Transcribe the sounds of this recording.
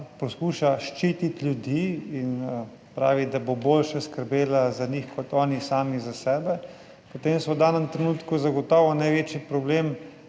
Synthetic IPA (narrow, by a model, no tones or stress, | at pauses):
poskuʃaʃt͡ʃit̪it̪lʲjud̪iin | pɾaːʋid̪aboboːlʃaskəɾbeːlazanixkɔt̪ɔːnisaːmizasɛːbɛ | pot̪emsɔwd̪aːnəmt̪ɾɛnuːt̪kuzaɡɔt̪ɔːʋɔnajʋeːt͡ʃipɾɔblem